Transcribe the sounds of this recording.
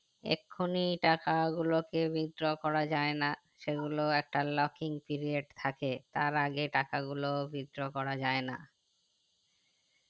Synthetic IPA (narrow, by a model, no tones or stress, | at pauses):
ḛkʰːoniʈakaɡulokebʱid̪ɾokɔɾad͡ʑaena | ʃeɡuloɛk̚ʈalɔkiŋpiɾieɖt̪ʰaket̪aɾaɡeʈakaɡulobʱid̪ɾokɔɾad͡ʑaena